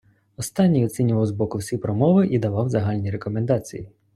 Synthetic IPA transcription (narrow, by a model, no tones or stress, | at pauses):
ɔst̪ɑnʲːijɔt͡sʲinʲʊʋɐwzbɔkʊwsʲipɾɔmɔʋɪʔid̪ɐʋɑwzɐɦɑlʲnʲiɾekɔmend̪ɑt͡sʲiji